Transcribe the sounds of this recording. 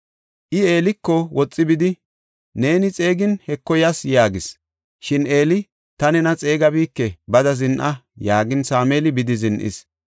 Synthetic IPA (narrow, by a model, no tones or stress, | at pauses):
ʔɪe̞ːlɪkːɔwɔt͡sʼːɪbɪd̪ɪ | ne̞ːnɪt͡sʼe̞ːɡɪnhɛkːɔjɐsjaːɡɪs | ʃɪne̞ːlɪ | t̪ɐnɛnɐt͡sʼe̞ːɡɐbiːkːɛbɐd̪ɐzɪnʔɐjaːɡɪnsaːmeːlɪbɪd̪ɪzɪnʔɪ̰s